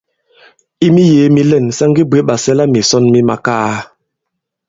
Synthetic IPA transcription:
i˦mi˦je˨˦mi˦lɛ˦˨nsa˦ŋɡi˦be˨˦ɓa˨sɛ˦la˦mi˨sɔ˦nmi˦ma˨kaː˦

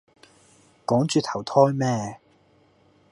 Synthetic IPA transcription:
kɔː˨˥ŋt͡ʃyː˨˧t̪ʰɐ˨˩wt̪ʰɔː˥jmɛː˥

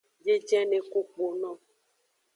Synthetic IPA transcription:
je˦d͡ʒɛ˦ne˨ko˦k͡po˨nɔ̃˦

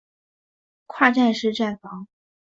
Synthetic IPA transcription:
kʰwa˥˧ʈ͡ʂa˥˧nʂɻ̩˥˧ʈ͡ʂa˥˩nfɑ˧˥ŋ

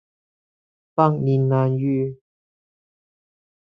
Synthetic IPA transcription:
fa˥˧˨ŋni˨˧nna˧njyː˧

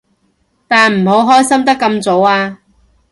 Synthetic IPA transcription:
t̪aː˨nm̩˨˩ɦo˨˥wɦɔː˥jsɐ˥mt̪ɐ˥kːɐ˧mt͡so˨˥waː˧

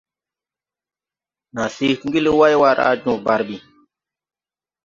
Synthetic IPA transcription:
nã˨si˦kɡi˦le˦wa˦jwa˧ɾa̰˦d͡ʒũ˨ba˨ɾbi˨

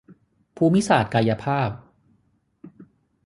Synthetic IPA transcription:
pʰuː˧mi˦˥saː˨˩t̪̚kaː˧ja˧pʰaː˥˩p̚

